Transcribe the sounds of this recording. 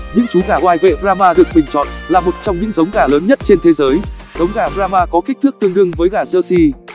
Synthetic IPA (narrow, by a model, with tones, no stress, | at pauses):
ɲɨ̰˧˥ŋt͡ɕu˨˦ɣaː˧˩ʔwaː˧jvḛ˧˨bzaː˧maː˧ɗɨ˨˩ək̚ɓï˨˩ŋ̟t͡ɕɔ̰˧˨nlaː˨˩mo˨˩t̚t͡ɕɔ˧wŋ͡mɲɨ̰˧˥ŋzə˨˦wŋ͡mɣaː˧˩ləː˨˦nɲə˦˥t̚t͡ɕe˧nt̪ʰe˨˦zəː˨˦jzə˨˦wŋ͡mɣaː˧˩bɾaː˧maː˧kɔ˨˦ki˦˥k̚t̪ɨ˦˥k̚t̪ɨ˧əŋɗɨ˧əŋvəː˨˦jɣaː˧˩zəː˧si˧